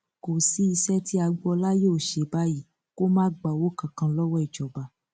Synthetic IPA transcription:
ko˨si˨˦i˧sɛ˦tʰi˦a˧ɡ͡bɔ˧la˦joː˦˨ʃe˨˧˦ba˦ji˦˨ | ko˦mãː˦ɡ͡ba˨wo˦kã˨kã˧lɔ˦wɔ˦i˨d͡ʒɔ˨ba˨

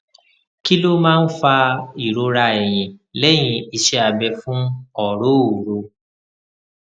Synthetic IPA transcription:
ki˦lo˦mãː˦˧n̩˦fa˧i˨ɾo˧ɾa˧ɛ˨j̃ĩ˨lɛ˦˨j̃ĩ˧i˧ʃɛ˧a˧bɛ˧fũ˦ɔ˦˨ɾo˦o˨ɾo˧

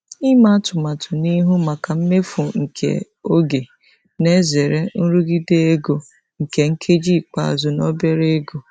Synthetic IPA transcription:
i˦ma˦tʊ˨ma˨tʰʊ˨ni˦ɦu˦ma˨ka˨m̩˦me˦fu˨ŋ̩˨kʰḛ˨ | o˦ɡe˨ | ne˦ze˨ɾe˦n̩˦ɾu˦ɡi˦de˦e˦ɡo˨ | ŋ̩˨ke˨ŋ̩˦kʰe˦d͡ʒi˦˨k͡pa̰˦˨a˨zʊ˨nɔ˦be˦ɾe˦ɡo˨

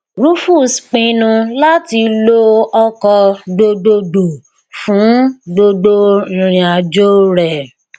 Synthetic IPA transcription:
ɾu˦fu˦˨sk͡pĩ˧nũ˧la˦ti˧lo˦ɔ˧kɔ˧do˧do˧do˨ | fũ˨˦do˧dõ˧˨ɾ̃ĩ˨a˨d͡ʒo˦ɾɛ˨

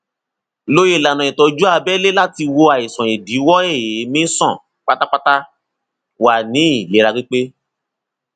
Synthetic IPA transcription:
lo˦je˦˨la˨nã˨ĩ˨tɔ˨˧d͡ʒu˦a˧bɛ˦le˦la˦˨ti˧wo˧a˨i˨sɔ̃˨e˨di˨˦wɔ˦e˦˨je˨˦mĩ˦sɔ̃˦˨ | k͡pa˦ta˦k͡pa˦ta˦ | wa˨nĩ˨˦i˦˨le˨˦ɾa˧k͡pĩ˦k͡pe˦

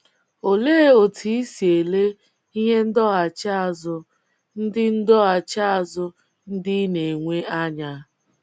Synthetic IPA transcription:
o˨le˦e˦o˨tʰi˦i˦si˨e˨le˦ | i˦ɦe˦n̩˦dɔ˦a˨t͡ʃa˦a˨zʊ˦ | n̩˦dɪ˦n̩˦dɔ˦a˨t͡ʃa˦a˦˨zʊ˦ | n̩˦dɪ˦ne˨ŋʷe˦a˦ɲa˦

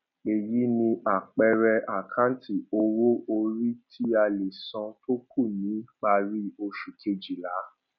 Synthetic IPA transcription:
e˨ji˨˦nĩ˧a˨k͡pɛ˧ɾɛ˧ʔa˨kʰã˦n˦tʰi˨o˧wo˦o˧ɾi˦tʰi˦a˧le˨sɔ̃˧to˦kʰu˦˨nĩ˨˦k͡pa˧ɾi˦o˧ʃu˨kʰe˧d͡ʒi˨la˨˦

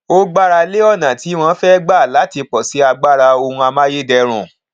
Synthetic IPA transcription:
o˦ɡ͡ba˦ɾa˧le˦ɔ˦˨nã˨ti˨˦w̃ɔ̃˦fɛ˦ɡ͡ba˦˨la˨˦ti˧k͡pɔ˨si˨˦a˧ɡ͡ba˦˨ɾa˧o˧hũ˧a˧mãː˦je˦dɛ˧ɾ̃ṵ̃˨

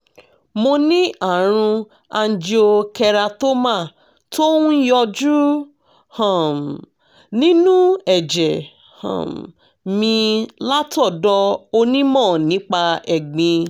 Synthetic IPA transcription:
mo˧nĩ˦a˦˨ɾ̃ũ˧ | a˧n̩˧˦d͡ʒi˦o˧kɛ˧ɾa˧to˦mã˦˨ | to˦ũ˦jɔ˧d͡ʒu˦ | hɔ̃˨ | nĩ˦nũ˦ɛ˨d͡ʒɛ˨ | hã̰˨ | mĩ˧la˦tɔ˦˨dɔ˧o˧nĩ˦mɔ̃ː˦˨nĩ˨˦k͡pa˧ɛ˨ɡ͡bĩ˧

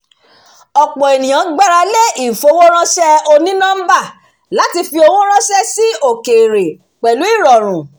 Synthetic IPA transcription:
ɔ˨k͡pɔ̃˨e˨nĩ˨j̃ã˨˦ɡ͡ba˦ɾa˧le˦i˦˨fo˧˦wo˦ɾ̃ã˦ʃɛ˦o˧nĩ˦nã˦m̩˦ba˦˨ | la˨˦ti˧fi˧o˧wõ˦ɾ̃ã˦ʃɛ˦si˦o˦˨ke˨ɾe˨ | k͡pɛ˨lu˨˦i˦˨ɾɔ˨ɾ̃ũ˨

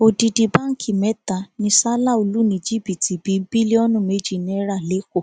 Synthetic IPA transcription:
o˨di˨di˨ba˦ŋ̩˦kʰi˨mɛ˨˦ta˨nĩ˧˦sa˦la˦˨o˧˨lu˦nĩ˧˨d͡ʒi˦˨bi˨ti˨bi˨˦bi˦le˦ɔ˦nũ˦˨me˦d͡ʒi˦˨nĩ˧˦ɛ˧˦ɾa˦˨le˨˦ko˦˨

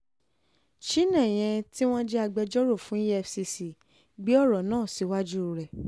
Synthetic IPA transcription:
ʃi˦nɛ̃˦˨j̃ɛ̃˧ti˦w̃ɔ̃˦d͡ʒɛ˦a˧ɡ͡bɛ˧d͡ʒɔ˦ɾo˦˨fũ˨˦i˦jɛ˦˧fsi˧si˨ | ɡ͡bi˦ɔ˦˨ɾɔ˨nãː˦˨si˨wa˦d͡ʒu˦˨ɾɛ˨

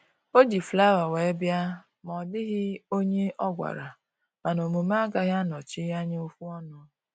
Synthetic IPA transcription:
o˦d͡ʒi˨fla˦wa˨we˨˦bja˦ | mɔ˨dɪ˦ɣɪ˦o˦ɲe˦ʔɔ˦ɡʷa̰˨ɾa˨ | ma˨no˨mo˨m˦a˦ɡa˦ɦja˦nɔ˨t͡ʃɪ˦ɣa˦ɲɪ˦o˦fu˦ɔ˦nɔ˦

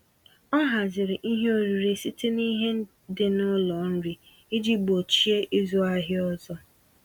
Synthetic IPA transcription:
ɔ˦ɦa˨zɪ˨ɾɪ˨ʔi˦ɦe˦o˦ɾi˨ɾe˨si˦te˦ni˦ɦe˦n̩˦ | dɪ˨nʊ˦lɔ˨n̩˦ɾi˨ | i˦d͡ʒi˦bo˨t͡ʃi˦e˦ʔi˦zu˦a˦ɦɪ˦ɔ˦zɔ˦

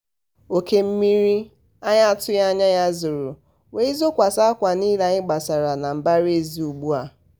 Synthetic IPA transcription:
o˨ke˦m̩˦mi˦ɾi˦ | a˦ɲa˦tʊ˦ja˦ɲa˦ja˦zʊ˨ɾʊ˨ | we˦i˦zo˦kʷa˨sa˦a˦kʷa˨ni˦la˨ɲɪ˦ɡ͡ba˨sa˨ɾa˨na˨m̩˨ba˦ɾe˦˨zi˦u˨ɡ͡bu˦a˨

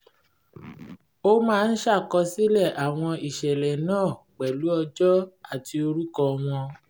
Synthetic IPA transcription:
o˦mãː˦˧n̩˦ʃa˦˨kɔ˧si˦lɛ˦˨ʔa˨w̃ɔ̃˧i˦˨ʃɛ˨lɛ˨nãː˦˨ | k͡pɛ˨lu˨˦ɔ˧d͡ʒɔ˦a˦˨tʰi˧o˧ɾu˦kɔ˧w̃ɔ̃˧

